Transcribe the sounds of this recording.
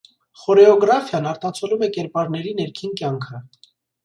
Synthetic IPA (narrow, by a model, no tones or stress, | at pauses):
χɔɾɛɔɡɾɑfjɑnɑɾt̪ɑt͡sʰɔlumɛkɛɾpɑɾnɛɾinɛɾkʰinkjɑŋkʰə